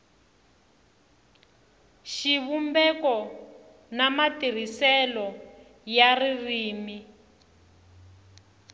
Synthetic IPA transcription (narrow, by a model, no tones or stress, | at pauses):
ʃiβumbɛkɔ | namatir̤isɛlɔ | jaririːmi